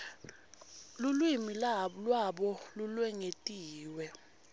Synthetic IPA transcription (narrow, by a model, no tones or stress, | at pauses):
lulwimilalwaɓɔlulwɛŋetʼiːwɛ